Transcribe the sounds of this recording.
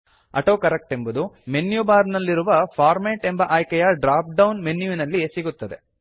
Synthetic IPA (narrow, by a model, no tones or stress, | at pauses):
ɐ̰ʈoːkɐɾek̚ʈe̞mbud̪ume̞njubaːɾnɐlːiɾuʋɐfʰaːɾmeːʈe̞mbɐʔaːjkɛjɐɖɾaːp̚ɖɐwnme̞nːjuʋinɐlːisiɡut̪ːɐd̪e